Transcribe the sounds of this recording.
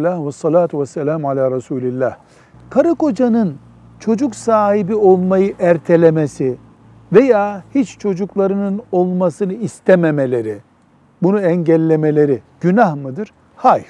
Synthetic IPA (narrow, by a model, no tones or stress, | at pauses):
lahvasːɑlaːt̪ʰuvɛsːɛlʲaːmalʲaːɾɑsuːlʲilʲːæh | kʰaɾɯko̞d͡ʒanɯn | t͡ʃʰo̞d͡ʒuksaːɦibio̞lˠmajɯʔæɾt̪ʰe̞lʲe̞mesi | ve̞jaːhit͡ʃt͡ʃʰo̞d͡ʒuklˠaɾɯnɯno̞lˠmasɯnɯist̪ʰememe̞lʲe̞ɾi | bunuɛɲɟælʲːe̞me̞lʲe̞ɾiɟ̥ynahmɯd̪ɯɾ̥ | hajf